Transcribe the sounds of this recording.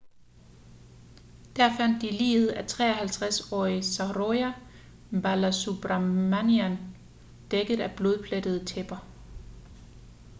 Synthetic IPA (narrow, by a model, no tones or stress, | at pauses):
d̥æɐ̰fæn̰d̥ːilḭːð̞̩ˠæt͡sʰʁɛ̰ːɐhælt͡sʰʁasɒ̰ːisɑʁoæ | mb̥ælæsub̥ʁɑmæniæn | d̥eɡ̥ð̩ˠæb̥lo̝ð̞ˠpʰled̥əð̞̩ˠt͡sʰeb̥ɐ